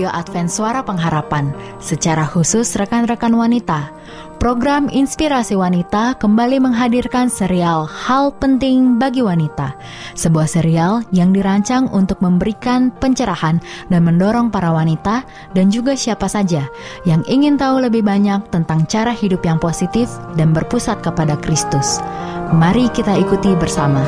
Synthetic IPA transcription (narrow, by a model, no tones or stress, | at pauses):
oʔat̪fɛnt̪suaɾapəŋɦaɾapan | sət͡ʃaɾahusʊsrəkanrəkanwanit̪a | pɾoɡɾaminspiɾasiwanit̪akəmbaliməŋɦadirkansəɾialhalpənt̪ɪŋbaɡiwanit̪a | səbuahsəɾialjaŋdiɾaɲt͡ʃaŋunt̪ʊk̚məmbəɾikanpəɲt͡ʃəɾahandanməndoɾɔŋpaɾawanit̪a | dand͡ʒuɡasiapasad͡ʒajaŋiŋɪnt̪auləbɪhbaɲak̚t̪ənt̪aŋt͡ʃaɾahidʊpjaŋposit̪ɪfdanbərpusat̪̚kəpadakɾist̪ʊsmaɾikit̪aikut̪ibərsama